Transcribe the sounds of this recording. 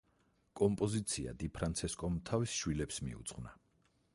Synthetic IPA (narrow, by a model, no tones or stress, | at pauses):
kʼɔmpʼɔzit̪sʰia̰d̪ipʰɾant̪sʰɛskʼɔmt̪ʰavisʃwilɛpsmḭṵt̪sʼχvna